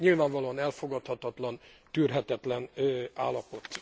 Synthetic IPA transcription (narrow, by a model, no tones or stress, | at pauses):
ɲilvaːɱvɒloɒnɛlfo̞ɡɒt̪hɒt̪ɒt̪lɒn | t̪yrɦɛt̪ɛt̪lɛna̰ːlːɒpo̞t̪